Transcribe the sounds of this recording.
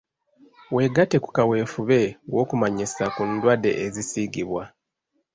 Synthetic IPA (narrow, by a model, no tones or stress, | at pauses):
we̞ɡate̞ku̥kawe̞ːfuβe̞wo̞ːkumaɲisakundwade̞̰ʔːzisiɡiβwa